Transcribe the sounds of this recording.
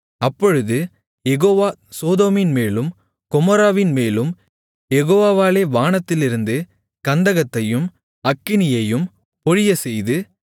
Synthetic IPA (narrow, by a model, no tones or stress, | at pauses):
ɐpːɔɻɯðɯ | jɛɣoːʋaːsoːðoːmɪnmeːlɯm | kɔmɔɾaːʋɪnmeːlɯm | jɛɣoːʋaːʋaːleːʋaːnɐt̪ːɪlɪɾɯnd̪ɯ | kɐnd̪ɐɣɐt̪ːɐjɯm | ɐkːɪnɪjɐjɯm | pɔɻɪjɐsɛjðɯ